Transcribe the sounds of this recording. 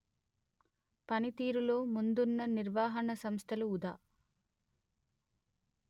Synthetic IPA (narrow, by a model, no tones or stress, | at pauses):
pɐnit̪iːɾulo̞ːmund̪unːɐniɾʋaːɦɐɳɐsɐmst̪ʰɐluːd̪aː